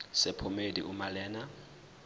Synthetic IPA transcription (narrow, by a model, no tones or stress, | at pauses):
sɛpʰɔmedḭʔumalɛːna